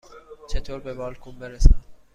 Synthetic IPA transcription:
t͡ʃʰet̪ʰoːɾbebɒːlkʰumbeɾesæ

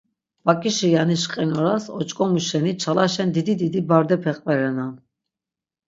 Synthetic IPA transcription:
b̥akʼiʃijaniʃqʼɛnɔɾasɔt͡ʃʼkʼɔmuʃɛnit͡ʃʰalaʃɛnd̪id̪id̪id̪ibaɾd̪ɛpʰɛqʼvɛɾɛnan

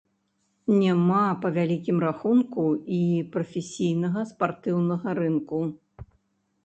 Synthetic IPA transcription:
nʲamapɐvʲalʲikʲimraxunkuipɾɐfʲesʲijnɐɣɐspart̪ɨwnɐɣɐɾɨnku

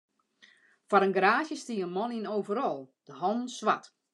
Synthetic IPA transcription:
faɾənɡraːsjəstiəənmɔninowvəɾɔlˠd̥əɦɔnn̩sʋat

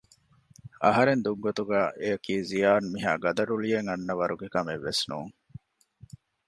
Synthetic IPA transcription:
ɐ̰ɦɐɾend̪uɡɡot̪uɡæːʔeɐkiːzijaːnmiɦa̰ːɡɐd̪ɐɾulijeŋɐnːɐʋɐɾuɡekɐmeʋːesnṵːŋ

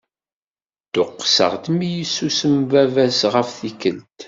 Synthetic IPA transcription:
t̪ʊqːsə̰ʁd̪mijəsːusəmvævæsʁəfθikəlt̪

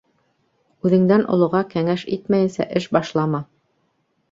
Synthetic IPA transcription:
ʉðɘ̆ŋd̪ænʔŏ̰lˠŏʁɑkæŋæʃit̪mæjɘ̆nsæ̰ʔɘʃbɑʃlˠɑmɑ

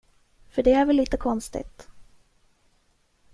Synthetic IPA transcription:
fœɖɛæɾvɛlːiːt̪əkʰɔnst̪ɪ̰t̪

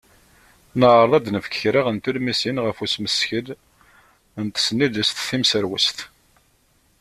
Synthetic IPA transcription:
nəʁəɾˤðˤɑd̪nəfə̥kə̥çɾiʁənt̪ulmisinʁəfusməsçəl | nt̪ə̥sənːiðəst̪θimsəɾwə̰st̪

